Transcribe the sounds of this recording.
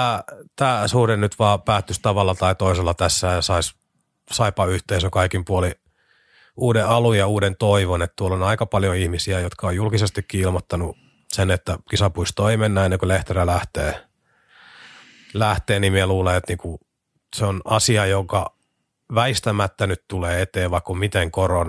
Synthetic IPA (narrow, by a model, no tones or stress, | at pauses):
t̪æːt̪æːsuhdennyt̪ʋɑːpæːt̪ːyst̪ɑʋɑlːɑt̪ɑit̪oiselːɑt̪æsːæːjɑsɑis | sɑipɑyht̪eisøkɑikimpuoli | uːdeɑlujjɑuːdent̪oiʋonet̪t̪uolonɑikɑpɑljoihmisiæjot̪kɑojulkisest̪ikkiilmot̪ːɑnu | senet̪ːækisɑpuist̪oimenːæːenːeŋkuleht̪erælæht̪eː | læht̪eːnimieluːleet̪niːku | seonʔɑsiɑjoŋkɑ | ʋæist̪æmæt̪ːænytt̪uleːet̪eːʋʋɑikkumit̪eŋkoron